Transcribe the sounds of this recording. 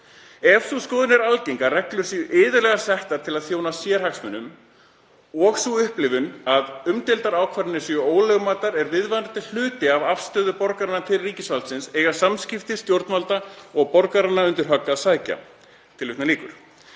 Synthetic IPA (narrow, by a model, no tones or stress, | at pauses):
ɛfsuskɔːðʏnɛɾalcejŋkarɛklʏ̥siʔɪːðʏɾlɛɣasɛht̪aɾ̥t̪ʰɪlaðθjoːwnasjɛɾ̥haksmɛnːʏm | ɔɣsuʏhplɪvʏnaðʏmt̪ɪlt̪aɾaːwkʰvaɾɪnːɪsjʏoːwlɛɣʏmaːt̪aɾɛɾvɪðvajnɾat̪ʰɪl̥l̥ʏːt̪ɪavafst̪œːðʏpɔɾkaɾanːat̪ʰɪlriːcɪsvalt̪sɪnsejɣḁsamscɪft̪ɪ̥st̪jowɾt̪nmalt̪aɔɣpɔɾkaɾanːaʏnt̪ɪɾ̥ɦœkːasaːjca̰ | t̪ʰɪlʏt̪naliːkʏɾ̥